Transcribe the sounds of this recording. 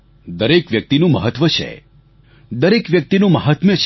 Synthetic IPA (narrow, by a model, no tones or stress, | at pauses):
d̪əɾekʋjək̚t̪inũməɦət̪ːʋət͡ʃʰḛ | d̪əɾekʋjək̚t̪inũməɦət̪mjət͡ʃʰ